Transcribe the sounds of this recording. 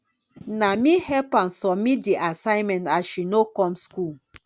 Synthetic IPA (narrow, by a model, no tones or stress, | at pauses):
namihɛpãnsɔmideʔasãɪmɛ̃ntaʃinokɔ̃mskul